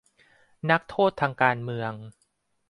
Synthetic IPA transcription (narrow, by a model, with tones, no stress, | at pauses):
na˦˥k̚t̪ʰoː˥˩t̪ʰːaː˧ŋkaː˧nmɯ˧əŋ